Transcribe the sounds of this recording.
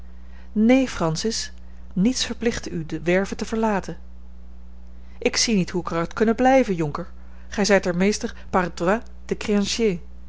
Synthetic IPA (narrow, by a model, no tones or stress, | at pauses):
nejfrɑnsɪs | nitsfəɹplɪχtydəʋɛɹvətəvəɹlaːtən | ʔɪksinitɦukrɑtkɵnəblɛjvənjɔŋkəɹ | χɛjzɛjtɛɹmejstəɹ | parda | d̥əkreɑnʃjeː